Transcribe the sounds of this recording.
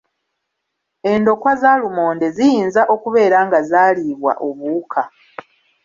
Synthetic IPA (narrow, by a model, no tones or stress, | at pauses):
e̞ndo̞kwazaːlumo̞ːnde̞zijiːnzaʔo̞kuβe̞ːɾaŋɡazaːliβwa̰ʔo̞βuːkʰa